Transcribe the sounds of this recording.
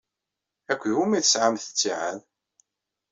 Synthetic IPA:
ækʷːjumiθəsʕamθə̥t͡sːiʕað

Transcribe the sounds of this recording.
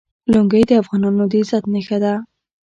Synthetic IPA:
luŋɡəjd̪əafɣɑnɑnod̪izat̪nəxad̪a

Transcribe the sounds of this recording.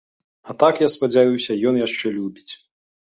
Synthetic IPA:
ɐt̪akjaspɐd͡zʲajuwsʲɐjɔnjaʂt͡ʂɛlʲubʲit͡sʲ

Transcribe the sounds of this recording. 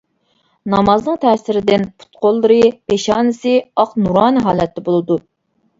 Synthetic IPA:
nɑmɑznɨŋt̪ʰɛsɪɾɪd̪ɪnpʰu̥t̪̚qʰolˠːɨɾɨpeʃɑːnɨsɨɑqnuɾɑːnɨɦɑːlˠɛt̪ʰːɛbolˠɨd̪u

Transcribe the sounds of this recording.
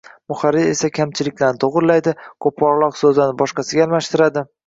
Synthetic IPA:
mʊχaɾɪe̞sakʲʰamt͡ʃʰɪlɪkʲlaɾnɪt̪ʰoʁɨɾlajd̪ɪkʰop̚ːɒɾlˠɒqsɵzanɪbɒʃqɑsɪɡʲalˠmaʃt̪ɪɾad̪ɪ

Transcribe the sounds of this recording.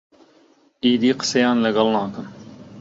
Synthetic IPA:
iːd̪iːqə̥sɐjaːnlɐɡɐlnãːkən

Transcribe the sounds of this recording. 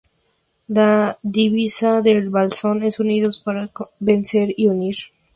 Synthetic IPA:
laðiβisaðe̞lβalso̞ne̞suniðospaɾabe̞nse̞ɾiuniɾ

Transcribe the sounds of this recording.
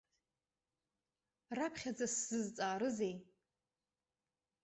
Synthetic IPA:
rapʰχʲad͡zasːɨzt͡sʼaːɾɨze̞j

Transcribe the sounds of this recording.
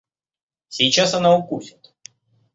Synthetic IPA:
sʲijt͡ɕasɐnaʊkusʲɪt̪

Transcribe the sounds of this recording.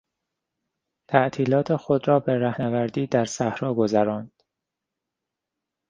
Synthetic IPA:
t̪ʰæʔt̪ʰiːlɒːt̪ʰe̞xod̪ɾɒːbe̞ɾæhnævæɾd̪iːd̪æɾsæhɾɒːɡo̞zæɾɒːnd̪̥

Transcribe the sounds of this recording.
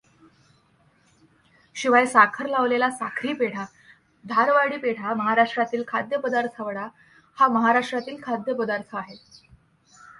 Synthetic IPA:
ɕiʋajsakʰəɾlaʋlelasakʰɾiːpeɽ̤a | d̪ʱaɾʋaɽiːpeɽ̤aməɦaɾaʂʈɾat̪iːlkʰad̪jəpəd̪aɾt̪ʰaʋəɽa | haməɦaɾaʂʈɾat̪iːlkʰad̪jəpəd̪aɾt̪ʰəaɦet̪

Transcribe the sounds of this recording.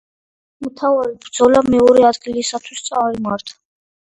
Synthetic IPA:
mut̪ʰavalibɾd̪z̥ɔlamɛɔɾɛad̪ɡilisat̪ʰwist̪sʼaɾimaɾt̪ʰḁ

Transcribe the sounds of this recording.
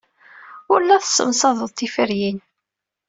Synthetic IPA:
ʊɾlːæθə̥sːə̰msɑðˤəðˤt̪ːifəɾjin

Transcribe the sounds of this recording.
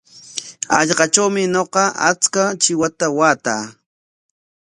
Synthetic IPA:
ɑ̰ʎɢɑt͡ʃawmɪɲoqɑa̰t͡skat͡ʃɪwat̪awaːt̪aː

